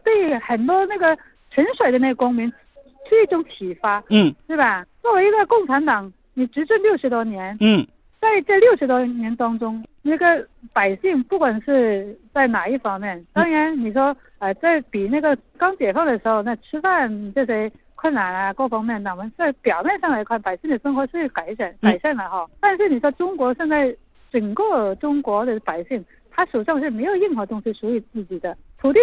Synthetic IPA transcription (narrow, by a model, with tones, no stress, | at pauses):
t̪we˥˩ɪ˥˩xə˨˩nt̪wɔ˥na˥˩ɡə˩ | ʈ͡ʂʰə˧˥nʂwe˨˩ɪd̪ə˦na˥˩ɡə˩kʊ˥ŋmi˧˥ŋ˥ | ʈ͡ʂʰu˥˧i˥˩ʈ͡ʂʊ˧˥ŋt͡ɕʰi˨˩fa˥˩t̪we˥˩ba˨˩t͡swɔ˥˩we˧˥ɪi˧˥ɡə˥˧kʊ˥˩ŋʈ͡ʂʰa˧˥nt̪ɑ˨˩˥ŋ | ni˨˩ʈ͡ʂɻ̩˧˥ʈ͡ʂə˥˧nljo˥˩ʊʂɻ̩˧˥t̪wɔ˥njɛ˧˥n̩˥˩ | t͡sa˥˧ɪt͡sa˥˧ljo˥˩ʊʂɻ̩˧˥t̪wɔ˥njɛ˧˥nt̪ɑ˥ŋʈ͡ʂʊ˥ŋna˥˩ɡə˧ | pa˨˩ɪɕi˥˧ŋpu˥˩kwa˨˩nʂɻ̩˥˧t͡sa˥˩ɪna˨˩i˥˩fɑ˥ŋmjɛ˥˩nt̪ɑ˥ŋɻɛ˧˥nni˨˩ʂwɔ˥ | ə˧˩t͡sa˥˩ɪpi˨˩na˥˩ɡə˩ | kɑ˥ŋt͡ɕjɛ˨˩fɑ˥˩ŋd̪ə˩ʂɻ̩˧˥xo˧ʊna˥˩ʈ͡ʂʰɻ̩˥fa˥˩nʈ͡ʂɤ˥˩ʂ̬we˥ɪ | kʰwə˥˩nna˨˩˥nɐ˧ko˥˩fɑ˥ŋmjɛ˥˩nna˨˩mə˧˥nt͡sa˥˩ɪpjɑ˨˩ʊmjɛ˥˧nʂɑ˥˩ŋla˧˥ɪkʰwa˥˩npa˨˩ɪɕi˥˩ŋd̪ə˩ʂə˥ŋxwɔ˧˥ʂɻ̩˥˩ka˨˩ɪɕjɛ˨˩˦nka˨˩ɪɕjɛ˥˩nlə˨˩xɑ˧˩t̪a˥˧nʂ̬ɻ̩˥˩ni˨˩ʂwɔ˥ʈ͡ʂʊ˥ŋkwɔ˧˥ɕjɛ˥˧nt͡sa˥˩ɪ | ʈ͡ʂə˨˩nkɤ˥˩ʈ͡ʂʊ˥ŋkwɔ˧˥d̪ə˧pa˨˩ɪɕi˥˩ŋ | t̪ʰa˥ʂo˨˩ʂɑ˥˧ŋʂ̬ɻ̩˥˩me˧˥ɪjo˨˩ʊi˥˩ŋxɤ˧˥t̪ʊ˥ŋɕi˧˩ʂu˧˥i˨˩t͡sɹ̩˥˩t͡ɕi˨˩d̪ə˦t̪ʰu˨˧˥t̪i˥˩